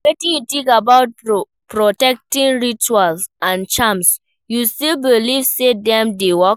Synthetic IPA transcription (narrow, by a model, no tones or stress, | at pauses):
wɛtĩjutĩkabaʊt̚ | pɹɔtɛk̚tĩnɹit͡ʃualsãnt͡ʃãms | justilbilivsedɛ̃mdewɔk